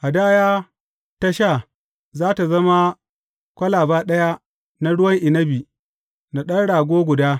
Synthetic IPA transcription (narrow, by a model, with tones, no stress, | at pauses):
ʔa˨daː˦jaː˦ | ta˦ʃa˦˨ | zaː˦ta˨zɐ˦ma˦ | kʷɐ˦laː˨baː˦ɗɐ˦ja˦ | na˦ɽʊ˦wɐ˦ŋʔɪ˨nɐ˦bi˨ | na˨ɗɐ˦nɽaː˨ɡʷoː˦ɡʷʊ˨daː˦